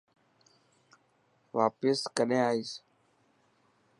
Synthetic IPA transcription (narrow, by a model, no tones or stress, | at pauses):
ʋaːpɪskəɗẽːaːiːs